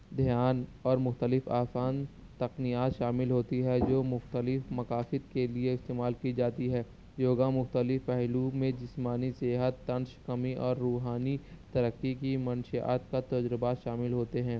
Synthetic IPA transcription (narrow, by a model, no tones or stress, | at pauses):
d̪ʱijaːnɔːɾmʊxt̪əlɪfaːfaːn | t̪ɐqnijaːt̪ʃaːmɪlɦoːt̪iɦɛd͡ʒoːmʊxt̪əlɪfmɐkaːfɪd̪̚kelieɪst̪eːmaːlkid͡ʒaːt̪iɦɛː | joːɡamʊxt̪əlɪfpɛɦlumẽd͡ʒɪsmaːniseːɦət̪ːɐ̃nʃkɐmiʔɔːɾːuːɦaːnit̪ɐɾəkːik̬imɐ̃nʃa̰ːt̪kat̪ɐd͡ʒɾɪbaʃaːmɪlɦoːt̪eɦɛ̃ː